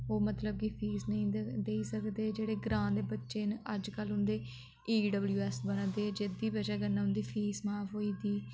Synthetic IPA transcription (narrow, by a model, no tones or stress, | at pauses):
oːmət̪ləb̚kipʰiːsnəĩːd̪eːiːsəkd̪eːd͡ʒeːɽeːɡɾãːd̪eːbətːʃeːnəd͡ʒkəlɦʊ̃nd̪eː | iːɖəbljuːɛːsbənãːd̪eːd͡ʒed̪iːbəd͡ʒaːɡənːaːɦʊ̃nd̪iːpʰiːsmaːpɦoːiːd̪iː